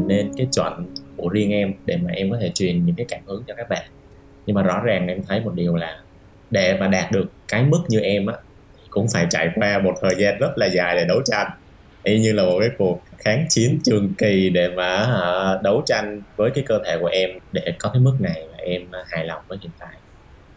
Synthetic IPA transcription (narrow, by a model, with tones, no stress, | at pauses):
ne˧nkaː˨˦jt͡ɕwə̰˧˨nku˧˩əzi˧əŋʔɛ˧mɗe˧˩maː˨˩ʔɛ˧mkɔ˨˦t̪ʰe˧˩t͡ɕwi˨˩ənɲɨ̰˧˥ŋkaː˨˦jkaː˧˩mhɨ˨˦əŋt͡ɕɔ˧kaː˦˥k̚ɓa̰ː˧˨n | ɲɨ˧ŋmaː˨zɔ̰˧˥zaː˨˩ŋʔɛ˧mt̪ʰə˨˦jmo˨˩t̚ɗi˨˩əwlaː˨˩ | ɗe˧˩maː˨˩ɗaː˨˩t̚ɗɨ˨˩əkːaː˨˦jmɨ˦˥k̚ɲɨ˧ʔɛ˧mʔaː˨˧˦ | t̪ʰi˨˩kʊ̰˧˥ŋ͡mfaː˧˩jt͡ɕa̰ː˧˨jkwaː˧mo˨˩t̚t̪ʰəː˨˩jzaː˧nzə˦˥t̚laː˨˩zaː˨˩jɗe˧˩ɗə˨˦wt͡ɕa˧jŋ | ʔɛ˧mɲɨ˧laː˨˩mo˨˩t̚kaː˨˦jku˨˩ək̚xaː˨˦ŋt͡ɕi˨˦ənt͡ɕɨ˨˩əŋki˨˩ɗe˧˩maː˨˩˧ɗə˨˦wt͡ɕa˧jŋ̟vəː˨˦jkaː˨˦jkəː˧t̪ʰe˧˩ku˧˩əʔɛ˧mɗe˧˩kɔ˨˦kaː˨˦jmɨ˦˥k̚na˨˩jmaː˨˩ʔɛ˧m˩haː˨˩jla˨˩wŋ͡mvəː˨˦jhḭ˧˨ənt̪a̰ː˧˨j